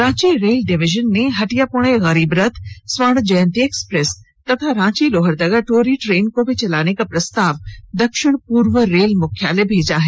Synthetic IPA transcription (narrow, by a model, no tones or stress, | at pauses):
ɾãːt͡ɕiɾeːlɖɪʋɪʒənːẽɦɐʈijapʊɽ̃eɣɐɾiːbɾɐt̪ʰsʋaɽ̃d͡ʑɐjə̃nt̪ieːkspɾes | t̪ɐt̪ʰaɾãːt͡ɕiloːɦəɾd̪ɐɡaʈoːɾiʈɾeːnkobʱɪt͡ɕɐlaːñekapɾɐst̪aːʋd̪ɐkʃɪɽ̃puːɾʋəɾeːlmʊkʰja̰ːlebʱeːd͡ʑaːɦe